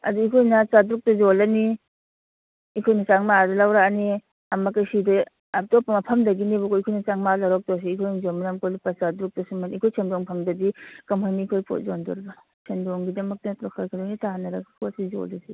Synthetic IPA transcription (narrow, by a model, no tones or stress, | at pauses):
ɐ̰duikʰojnɐt͡ʃadɾuk̚tɐzolani | ikʰojnɐt͡ʃaŋmaadɐlawɾani | ɐmakajsida | ap̚tɔpːamɐpʰɐmdɐɡinibɔkʰoikʰojnɐt͡ʃaŋmalaɾɔk̚tɔs̬iikʰojnɐzomanamkolipasadɾuk̚tɐsumanikʰojsʰendɔŋpʰɐmdɐdikɐmɦajniːkʰojpʰo̰t̚zondṵɾba | sʰendɔŋɡidɐmɐk̚tɐtokʰaɾkʰadonitaanɐɾakkʰosizo̰lasi